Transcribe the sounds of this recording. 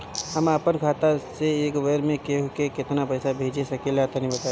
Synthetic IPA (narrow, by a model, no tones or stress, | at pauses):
ɦəmapənɡʰʱaːt̪aseeːkʋəɾmẽkeɦokekɪt̪napəɪsabʱeːd͡ʒesɐkelaːt̪anəɦĩbət̪a